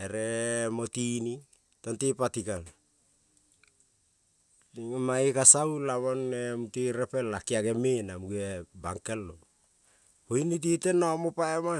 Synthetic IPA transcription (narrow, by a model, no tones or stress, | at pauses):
eɾemotini | tontipatikan | maikasawlaβonemutiɾepelːakiaɡemenamuɡueba̰ŋkelːo | hoinit̬itenːaomopaema